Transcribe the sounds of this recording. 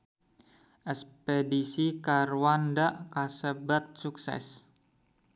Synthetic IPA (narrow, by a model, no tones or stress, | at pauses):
ʔɛspedisikaɾuwandaʔkasəbat̪̚suksɛ̰s